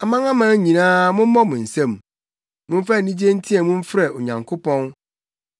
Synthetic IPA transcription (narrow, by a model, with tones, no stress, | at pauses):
a˨mã˦ŋã˦mã˦ɲĩ˨nãː˦mʊ̃˦m̩˦mɔ˦mʊ̃˨n̩˨sɛ̃˦˨m | mʊ̃˦m̩˦fa˦˨nĩ˦d͡ʑi˦e˦n̩˦tʰĩ˦ɛ˨mʊ̃˦ɱ̩˦fɾɛ˨o˨ɲã˨ŋkʰʊ˦pɔ̃˦n